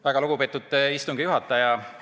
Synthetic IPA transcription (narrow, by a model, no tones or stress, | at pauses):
æɡ̥ɑluɡ̥upe̞ːt̪ːut̪ːist̪uŋɡ̥ijuɦɑt̪ːˑɑjɑ